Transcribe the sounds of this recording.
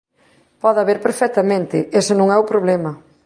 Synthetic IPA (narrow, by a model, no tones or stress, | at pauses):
pɔðaβeɾpeɾfɛk̚t̪amẽnt̪ɪʔesenõŋɛupɾoβlɛmɐ